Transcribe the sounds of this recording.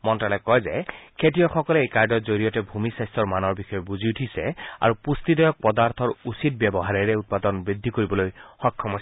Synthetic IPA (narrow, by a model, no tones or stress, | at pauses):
mɔntalɛkɔjzɛkʰetijɔxɔkɔlɛejkaɹdɔtzoɹijɔtɛbʱumisajstɔɹmanɔɹbixɔjɔbuziutʰisɛ̰a̰ɹupustidɔjɔk̚pɔdaɹt̪ʰɔɹusit̚bjɛbɔɦaɹɛɹɛut̚padɔnbɹid̪ʱːikoɹibɔlojxɔkʰːɔmɔs